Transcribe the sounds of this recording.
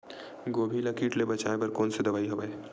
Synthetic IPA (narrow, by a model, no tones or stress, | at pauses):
ɡoːbʱilakiːʈlebɐt͡ʃaːepɐɾkoːnsed̪ɐbaːiɦobae